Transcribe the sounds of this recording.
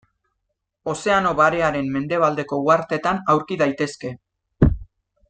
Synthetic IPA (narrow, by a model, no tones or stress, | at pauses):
o̞se̞ano̞βaɾe̞aɾe̞mːe̞nd̪e̞β̞ald̪e̞ko̞uaɾt̪e̞t̪anawɾkiðajt̪e̞ske̞